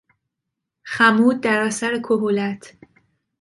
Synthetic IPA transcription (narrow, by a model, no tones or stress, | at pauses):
xæmuːd̪̚d̪æɾæsæɾekʰoɦolæt̪ʰ